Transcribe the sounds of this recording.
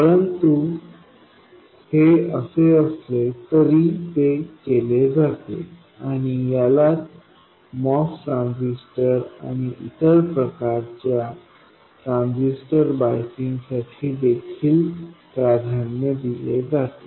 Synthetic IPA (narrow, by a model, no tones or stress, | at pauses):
pəɾənt̪u | heəseəslet̪əɾiːt̪ekeled͡zat̪ḛ | aɽ̃ijalat̪ | mɔfʈɾãnd͡zisʈəɾa̰ɽ̃iʔit̪əɾpɾəkaɾt͡ɕja | t̪ɾãnd͡zisʈəɾbajkiŋɡsaʈʰiːd̪ekʰiːlpɾad̪ʱanjəd̪iled͡zat̪e